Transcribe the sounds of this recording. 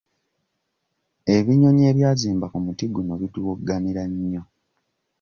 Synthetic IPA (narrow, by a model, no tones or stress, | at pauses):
eβiɲo̞ɲe̞ːβjaːziːmbakumutiɡunoβituwoɡaniɾaɲːo̞